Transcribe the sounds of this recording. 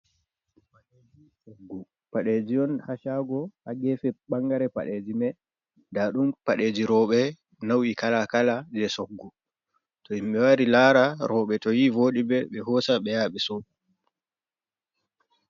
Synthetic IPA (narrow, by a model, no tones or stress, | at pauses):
paɗed͡ʒisoɡːu | paɗed͡ʒiɔnhaʃaːɡɔhaɡɛːfɛɓaŋɡaɾɛpa̰ɗed͡ʒimɛ | daɗumpaɗed͡ʒiɾɔɓɛ | nawikalakalad͡ʒɛsoɡːu | tɔimɓɛwaɾilaːɾaɾʔɔɓɛtɔjivoːɗibɛɓɛhɔːsaɓɛjaːɓɛsɔ